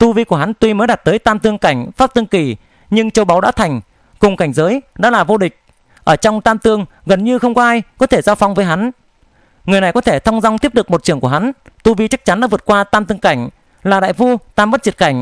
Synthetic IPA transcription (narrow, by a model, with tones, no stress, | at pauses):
t̪u˧vi˧ku˧˩əɦa˨˦nt̪wi˧məː˨˦jɗa˨˩t̚t̪əː˨˦jt̪aː˧mt̪ɨ˧əŋka˧˩jŋ̟faː˦˥p̚t̪ɨ˧ŋki˧˩ | ɲɨ˧ŋt͡ɕə˨˧wɓa˨˦wɗa̰ː˧˥t̪ʰa˨˩jŋ̟ | kʊ˨˩ŋ͡mka˧˩jŋ̟zəː˨˦jɗɔ̰ː˨˧˥laː˨˩vo˧ɗï˨˩k̟̚ | ʔəː˧˩t͡ɕɔ˧wŋ͡mt̪aː˧mt̪ɨ˧əŋ | ɣə˨˩nɲɨ˧xə˧wŋ͡mkɔ˨˦ʔaː˧jkɔ˨˦t̪ʰe˧˩zaː˧wfa˧wŋ͡mvəː˨˦jɦa˨˦n | ŋɨ˨˩əjna˨˩jkɔ˨˦t̪ʰe˧˩t̪ʰa˧wŋ͡mza˧wŋ͡mt̪ʰi˦˥əp̚ɗɨ˨˩ək̚mo˨˩t̚t͡ɕɨ˧˩əŋku˧˩ɦa˨˦nt̪u˧vi˧t͡ɕa˦˥k̚t͡ɕa˨˦nɗa̰ː˧˥vɨ˨˩ət̚kwaː˧t̪aː˧mt̪ɨ˧əŋka˧˩jŋ̟ | laː˨˩ɗa̰ː˧˨jfu˧t̪aː˧mɓə˦˥t̚zi˨˩ət̚ka˧˩ŋ̟